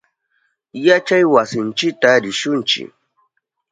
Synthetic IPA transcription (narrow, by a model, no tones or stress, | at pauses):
jat͡ʃajwasint͡ʃitaɾiʃunt͡ʃḭ